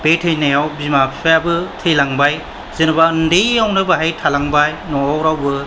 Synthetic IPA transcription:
betʰɯjnajawbimapʰipʰajabɯtʰɯjlaŋbaj | zenɯbaɯndejawnɯbaɦajtʰalaŋbajnɔːwɾawbɯ

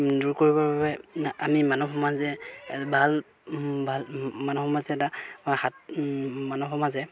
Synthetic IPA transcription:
duɹkoɹibɔɹbabɛamimanuxɔmazɛbʱal | bʱalmanuxɔmazɛɛtahat̚manɔxɔmazɛ

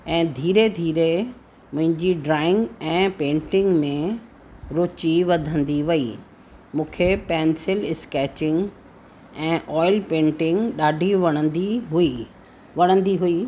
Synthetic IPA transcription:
ɛ̃ːd̪ʱiːɾed̪ʱiːɾe | mʊ̃ɦɪ̃ɲd͡ʑiɖɾaːɪ̃ŋɡɛ̃ːpẽːɳʈɪ̃ŋɡmẽ | ɾoːt͡ɕiʋɐd̪ʱə̃nd̪iʋɐi | mũːkʰepɛːnsɪlɪskɛːt͡ɕɪ̃ŋɡ | ɛ̃ːʔɔːɪlpẽːɳʈɪ̃ŋɡɗaːɖʱiʋɐɽ̃ə̃nd̪iɦui | ʋɐɽ̃ə̃nd̪iɦui

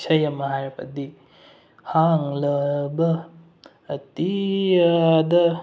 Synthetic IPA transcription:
sɐjɐmɐɦaɾpʰɐ̰di | haŋlɐbɐː | tiadɐ

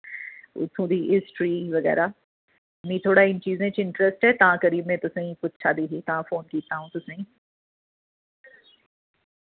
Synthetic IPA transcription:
ʊ̰t̪ʰːũːd̪iːɦɪsʈɾiːʋəɡɛ̰ːɾaː | mĩːt̪ʰoːɽaːɪnt͡ʃiːzẽːt͡ʃɪɳʈɾɛsʈɦɛːt̪ãːkəɾiːmẽːt̪ʊsẽːĩpʊt̪t͡ʃʰaːd̪iːɦiːt̪ɐãːfoːnkiːt̪aːɦũːt̪ʊsẽːĩː

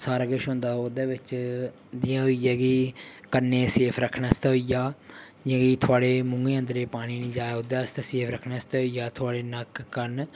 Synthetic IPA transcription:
saːɾaːɡəʃɦõːnd̪aːoːd̪eːʋɪt͡ʃ | d̪ɪjãːɦoijaːɡiːkəɾneːseːpʰɾəkʰnaːst̪aɦoijaː | jãːɡiːt̪ʰʊaːɽeːmʊ̃ŋɡeːə̃nd̪əɾeːpaːɽ̃iːnĩːd͡ʒaːjaod̪aːst̪eseːpʰɾəkʰnaːst̪aːɦoijaːt̪ʰʊaːɽeːnəkːəɾn

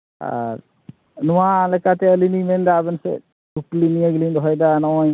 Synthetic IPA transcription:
a̰ɾ | nuwalɛkat̪ɛəlinimɛnd̪abənsɛ̰ | duklinijaɡilind̪ʱɦɔjd̪anɔɔj

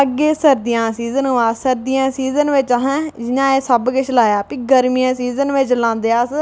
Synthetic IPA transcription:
əɡːeːsəɾd̪ɪjãːsiːzənɦoãːsəɾd̪ɪjãːsiːzənʋɪt͡ʃaɦɛ̃ːd͡ʒɪnãːeːsəbkɪt͡ʃʰlaːjaːpiːɡəɾmijãːsiːzənʋɪt͡ʃlãːnd̪eːaːs

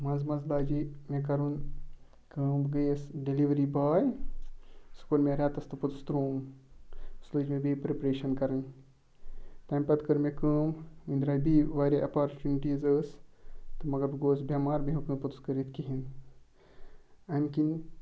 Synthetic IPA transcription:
mɐzmɐzbaːd͡ʒimekɐɾun | kəːmbɡəjesɖeliʋɾibaːj | su̥koɾmẽɾʲaːt̪ɐst̪ɨpɐt̪ust̪ɾoːm | sləːd͡ʒmẽbʱipɾepɾeːʃɐnkɐɾɐn | t̪ajmpɐt̪kəɾmekəːmʋinʲd̪ɾaːjbʱiʋaːɾʲaʔɐpaːɾt͡ʃuːniʈiːzəːst̪ɨmɐɡɐɾbɡoːsbjamaːɾbʱiɦukəːnpɐt̪uskəɾit̪kiɦin | ɐmkin

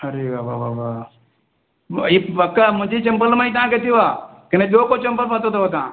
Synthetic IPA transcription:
ɐɾeʋaʋaʋaʋa | iɐkːamʊ̃d͡ʒʱet͡ʃɐmpəlmãit̪ãket̪iʋakened͡ʒoːkot͡ʃɐmpəlpaːt̪ot̪oot̪̬ã

